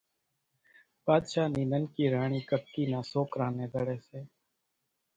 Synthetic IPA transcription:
paːd̪ʃaːniːnənkiːɾaːɳ̃iːkəkːiːnãːsoːkɾãːnẽːd̪əɽeːseː

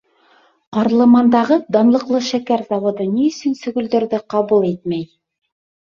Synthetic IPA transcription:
qɑɾlˠɤ̆mɑnd̪ɑʁɤd̪ɑnlˠɤ̆qlˠɤʃækæɾzɑwŏd̪ɤniɵ̆sɵnsɵ̆ɡɵ̆ld̪ɵ̆ɾðɘqɑβulˠet̪̚mæj

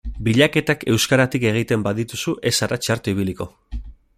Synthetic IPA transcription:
biʎake̞t̪ake̞wskaɾat̪ike̞ɣ̞it̪e̞mbaðit̪usuʔe̞saɾat͡ʃaɾt̪oiβ̞iliko̞̰

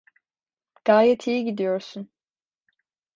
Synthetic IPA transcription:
ɡ̥aːjɛt̪ʰijiɟid̪ijo̞ɾsun

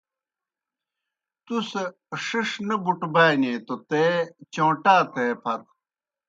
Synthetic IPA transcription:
t̪use | ʂiʂnɐbuʈbaːjneːt̪ot̪eːt͡ɕõːʈaːt̪eːpʰɐɾ

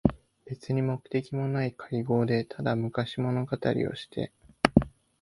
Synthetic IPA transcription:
b̥e̞t͡sɨɲ̟imo̞kɯ̟̥t̪e̞kʲimo̞naikʰaiɡo̞ːd̪e̞t̪ʰad̪amɯ̟kaɕimo̞no̞ɡat̪a̰ɾʲḭo̞̰ɕi̥t̪ʰe̞̰

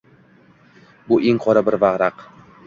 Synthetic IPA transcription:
bʊʔeŋqʰɒɾabɪɾvaʁɾaq

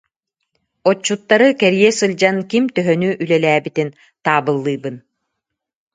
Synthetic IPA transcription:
ɔt͡ɕːut̪ːaɾɯkɛɾjɛsɯlʲd͡ʑankimt̪œɦœnyʔylɛlæːbit̪in | t̪aːbɯlˠːɯːbɯn

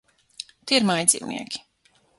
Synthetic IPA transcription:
t̪iiɾmajd̪zʲḭːwnḭɛkʲi̥

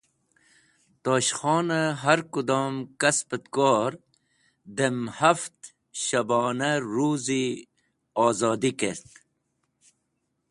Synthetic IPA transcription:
t̪oːɕχɔːnaɦaɾkud̪oːmkɐspət̪kɔːɾ | d̪emhaft̪ | ɕɐbɔːnaɾuːzi | ɔːzɑːd̪ikeɾt̪

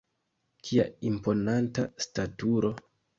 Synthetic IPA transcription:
kʰia̰impo̞nantastatuɾo̞

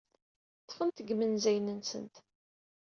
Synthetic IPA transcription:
θfənt̪əɡmənzæjnənsə̰nt̪

